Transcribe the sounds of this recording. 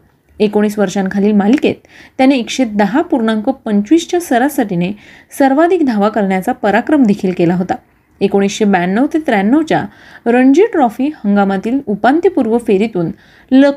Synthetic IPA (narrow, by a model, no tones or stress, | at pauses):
ekoɽ̃iːsʋəɾʂankʰaliːlmalikḛt̪ː | janeːkɕed̪əɦapuɾɳãŋkopəɲt͡ɕʋist͡ɕjasəɾasaʈine | səɾʋad̪ʱik̚d̪ʱaʋakəɾɳjat͡sapəɾakɾəmd̪ekʰiːlkelaɦot̪a | ekoɽ̃iːsɕebajanːəʋt̪et̪ɾɛanːəʋt͡ɕja̰ | ɾəɳd͡ʑiʈɾɔfiːhəŋɡamat̪iːlupant̪ipuɾʋəfeɾit̪uːn | lə